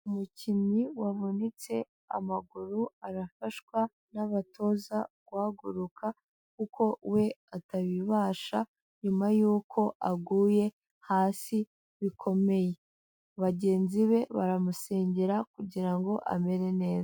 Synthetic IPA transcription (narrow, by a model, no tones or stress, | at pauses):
umucimiwavunit͡se̞ | a̰maɡuɾuaɾafaʃkwa | naβato̞zaɡ̥waːɡuɾukʰa | kuko̞we̞ataβiβaːʃa | ɲumajuːkʰo̞ʔaɡuːje̞ | haːsi | βikʰo̞me̞je̞ | aβaɟe̞ːnziβe̞βa̰ɾamuse̞ːɲɟeɾakuɟiɾaŋɡo̞ʔa̰me̞ɾe̞ne̞ːza